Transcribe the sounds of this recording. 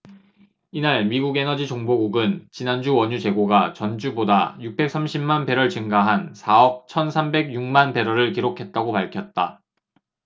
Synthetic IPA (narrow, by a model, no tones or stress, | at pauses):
inaɭmiɡuɡe̞nʌd͡ʑit͡ɕoŋboɡuɡɯnt͡ɕinand͡ʑuwʌɲut͡ɕe̞ɡoɡat͡ɕʌnd͡ʑuboda̰juk̚p͈e̞k̚s͈amɕʰimmanpe̞ɾʌɭt͡ɕɯŋɡaɦansʰaʌp̚t͡ɕʰʌnsʰambe̞ɡjuŋmanpe̞ɾʌɾɯɭkiɾokʰe̞t̚t͈aɡopaɭkʰjʌt̚t͈a̰